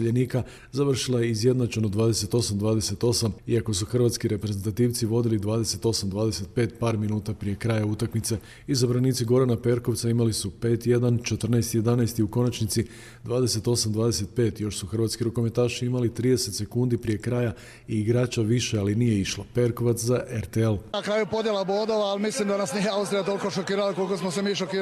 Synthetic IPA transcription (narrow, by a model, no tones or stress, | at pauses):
eʎeniːka | zaʋr̩ʃilˠajeizjed̪nat͡ʃe̞nod̪ʋaːd̪e̞se̞t̪o̞samd̪ʋaːd̪e̞se̞t̪o̞samiako̞suxr̩ʋaːt̪skiɾe̞pɾezent̪at̪iːʋt̪siʋo̞d̪ilid̪ʋaːd̪e̞se̞t̪o̞samd̪ʋaːd̪e̞se̞t̪pe̞ːt̪paːɾminuːt̪apɾije̞kɾajaut̪akmit̪se̞ | izabɾaniːt̪siɡo̞ɾanape̞ɾko̞ʋt̪saimalisupe̞ːt̪je̞d̪ant͡ʃe̞t̪r̩naest̪ije̞d̪anaest̪iuko̞nat͡ʃnit̪si | d̪ʋaːd̪e̞se̞t̪o̞samd̪ʋaːd̪e̞se̞t̪̚pe̞ːt̪jo̞ʃsuxr̩ʋaːt̪skiɾuko̞met̪aːʃiimalit̪ɾiːd̪ese̞t̪se̞kund̪ipɾije̞kɾaːja | iːɡɾaːt͡ʃaʋiʃealinijeiʃlˠape̞ɾko̞ʋat̪szaʔeɾt̪eelnakɾaːjupo̞d̪jelabod̪oʋaalmislimd̪anasnijeawst̪ɾijat̪o̞lko̞ʃokiːɾalakolikosmos̬emiːʃokiː